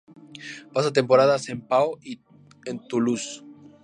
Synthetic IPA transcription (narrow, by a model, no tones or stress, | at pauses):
pasat̪e̞mpo̞ɾaðase̞mpaoi | ent̪ulus